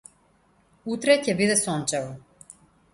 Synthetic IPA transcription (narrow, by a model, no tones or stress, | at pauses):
ut̪ɾɛcɛvid̪ɛsɔnt͡ʃɛvɔ